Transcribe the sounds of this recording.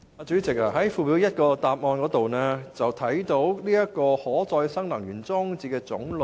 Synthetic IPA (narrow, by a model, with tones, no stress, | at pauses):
aː˧t͡ʃyː˨˥t͡sɪ˨k̚aː˧˩ɦɐ˨˥jfuː˧wi˨˥wjɐ˥t̚kɔː˧t̪aː˨p̚ŋɔː˧nkɔː˨˥t̪o˨wnɛː˥t͡sɐ˨wt̪ʰɐ˨˥jt̪o˨˥wliː˥jɐ˥kɔː˧hɔː˨˥t͡sɔː˧jsɐ˥ŋlɐ˨˩ŋɥyː˨˩nt͡sɔː˥ŋt͡siː˧kɛː˧t͡sʊ̰˨˥ŋl